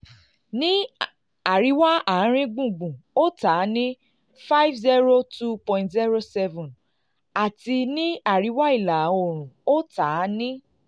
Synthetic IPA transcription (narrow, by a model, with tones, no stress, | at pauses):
nĩ˦ | a˨ɾi˨˦wa˦a˨˦ɾ̃ĩ˦ɡ͡bũ˦˨ɡ͡bũ˨o˦taː˨˦nĩ˦ | fa˦i˦vzi˦ɾo˦tu˦pɔ̃˨ĩ˨ntzi˦ɾo˦sɛ˦vũ˨n | a˨ti˧nĩ˦a˦˨ɾi˨˦wa˦i˦˨la˨o˦˨ɾ̃ũ˨o˦ta˨˦nĩ˦